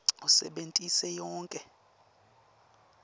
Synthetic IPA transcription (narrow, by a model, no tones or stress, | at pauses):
usɛ̰ɓentʼisɛjɔːŋkʼɛ